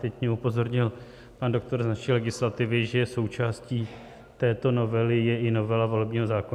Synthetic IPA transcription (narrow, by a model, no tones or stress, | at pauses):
t̪ɛcɲɛupo̞zo̞ɾɲɪl | pando̞k̚t̪o̞ɾznaʃilɛɡɪslat̪ɪvɪʒɛjɛso̞wt͡ʃaːsciː | t̪ɛːt̪o̞no̞vɛlɪjɛʔɪno̞vɛlavo̞lɛbɲiːɦo̞zaːkon